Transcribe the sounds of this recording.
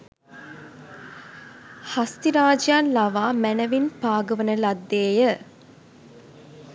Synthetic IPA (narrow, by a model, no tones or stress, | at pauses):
hast̪iɾaːd͡ʒjaːnlaʋaːmænəʋinpaːɡəʋənəlad̪ːeːjə